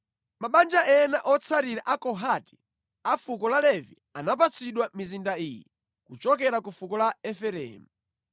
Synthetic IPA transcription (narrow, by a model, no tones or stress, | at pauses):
maɓand͡ʒaɛnaʔɔt͡sʰaɾiɾaʔakɔɦati̥ | afukɔlalɛvi | anap̬at͡sʰiɗwamizindaiːjɛ | kut͡ʃɔkɛɾakufukɔlaɛfɛɾɛ̰ːmu